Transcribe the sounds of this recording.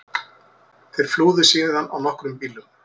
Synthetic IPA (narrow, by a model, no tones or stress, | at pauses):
θejɾ̥fluːðɪsiːnɪðanːa̰wnɔhkɾʏmpiːlʏm